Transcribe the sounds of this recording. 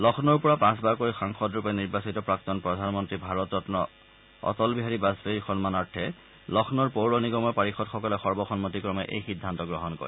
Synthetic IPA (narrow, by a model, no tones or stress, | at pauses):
lɔxʰnɔɹpɔɹapãsbaɹkoɹixaŋxɔdɹupɛniɹbasitɔpɹak̚tɔnpɹɔdʱanmɔntɹibʱaɹɔtɔtnɔ | ɔ̰tɔlbiɦaɹibasbeɹxɔnmanaɹtʰɛ | lɔxʰnɔɹpowɹɔniɡɔmɔɹpaɹixɔtxɔkɔlɛxɔɹbɔxɔnmotikɹɔmɛʔḛjxidʱːantɔɡɹɔɦɔnkɔ̰ɹɛ